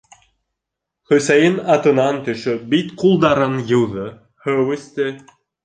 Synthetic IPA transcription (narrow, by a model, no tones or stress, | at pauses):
χɵ̆sæjɘnɑt̪ɤ̆nɑnt̪ɵ̆ʃɵbit̪qulˠd̪ɑɾɤnjɤ̆wðɤ | hɤwɘ̆st̪ɘ